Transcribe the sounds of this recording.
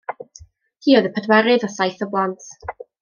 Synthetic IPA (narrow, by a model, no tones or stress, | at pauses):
tʰiːɔðəpʰədwɛɾɨðɔsajθəblˠɔntʰ